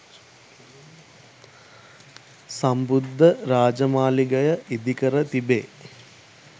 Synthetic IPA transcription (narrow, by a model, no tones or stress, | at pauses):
sambud̪ʱːəɾaːd͡ʒəmaːliɡɐjəʔid̪ikəɾət̪ibeː